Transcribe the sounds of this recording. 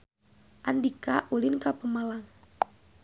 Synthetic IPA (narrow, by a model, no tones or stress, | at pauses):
ʔandikaʔulinkapəmalaŋ